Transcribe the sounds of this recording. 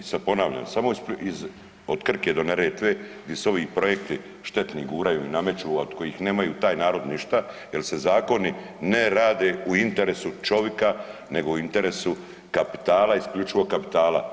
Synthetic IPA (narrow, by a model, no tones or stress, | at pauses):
sapo̞naːʋʎa̰msamoispiz | od̪̥kr̩ke̞d̪o̞neɾeːt̪ʋeːɡd̪je̞so̞ʋiːpɾo̞je̞kt̪i | ʃt̪e̞t̪niɡuːɾajṵiname̞t͡ʃuːad̪̥ko̞jixne̞ːmajuːt̪aːjnaːɾo̞d̪niʃt̪a | je̞lse̞zaːko̞ni | neɾaːd̪e̞ːuint̪e̞ɾesut͡ʃo̞ʋjekane̞ɡo̞uint̪eɾesu | kapi̥t̪aːlaiskʎuːt͡ʃiʋo̞ɡ̚kapi̥t̪aːla̰